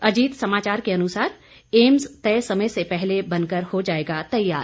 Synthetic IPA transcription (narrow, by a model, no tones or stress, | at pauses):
ɐd͡ʒiːt̪sɐmaːt͡ʃaːɾkeɐnʊsaːɾ | eːmzt̪ɛːsɐməjsepɛɦlebɐ̃nkəɾhod͡ʒaːeːɡat̪ɐjːaːɾ